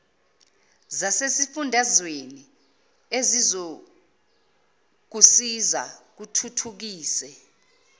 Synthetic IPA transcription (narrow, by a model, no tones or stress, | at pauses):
zasesifundʱazweni | ezizo | k̬usiza̰k̬utʰutʰuk̬iːsɛ